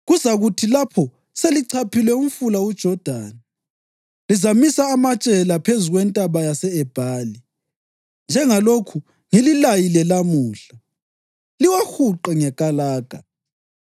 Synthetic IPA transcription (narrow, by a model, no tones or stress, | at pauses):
ɣuzaɣutʰilapʰɔ | seliǀʰapʰilɛum̩fulawud̥ʒ̥ʱɔd̥ʱa̰ːni | lizamisaːmat͡ʃʼɛlapʰezuɣwɛntʼaβajasɛɛb̥ʱaːli | nd͡ʒʱɛŋalokʰu | ŋililajilɛlamuːɬa | liwaxuǃɛŋɛkʼalaːɡ̥ʱa